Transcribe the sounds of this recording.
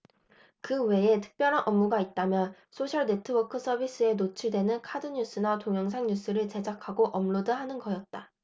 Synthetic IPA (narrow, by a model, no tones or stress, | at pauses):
kɯwe̞e̞tʰɯ̥k̚p͈jʌɾɦanʔʌmːuɡait̚t͈amjʌn | sʰoɕʰʌɭne̞tʰɯwʌkʰɯs͈ʰʌbis͈ɯe̞not͡ɕʰiɭdwe̞nɯnkʰadɯɲus͈ɯnatoŋjʌŋs̬ʰaŋɲus͈ʰɯɾɯɭt͡ɕe̞d͡ʑakʰaɡoʔʌmɭodɯɦanɯnɡʌjʌt̚t͈a